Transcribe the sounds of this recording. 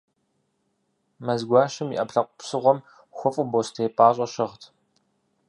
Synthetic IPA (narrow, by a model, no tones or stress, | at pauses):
mɐzɡʷɑːʃɨmiʔɐpɬɐqʷʊpsɨʁʷɔm | xʷʊfʼʊbostʰejpʼaːɕʼɐɕɪʁtʰ